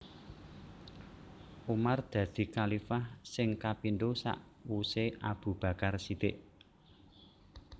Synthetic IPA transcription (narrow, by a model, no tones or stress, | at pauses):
ʔumard̪̥ä̤d̪̥i̤kalifahsɪŋkapindosa̰ʔwuseʔab̥ṳb̥ä̤karsit̪ɪʔ